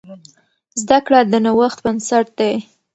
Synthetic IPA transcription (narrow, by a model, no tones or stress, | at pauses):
zd̪akɽad̪ənawaxt̪bənsaʈ̚d̪ej